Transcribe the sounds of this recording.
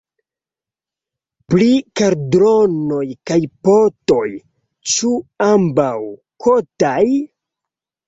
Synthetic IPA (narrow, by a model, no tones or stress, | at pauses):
plikaɾdɾono̞jkajpoto̞j | t͡ʃuambaw | kʰotaj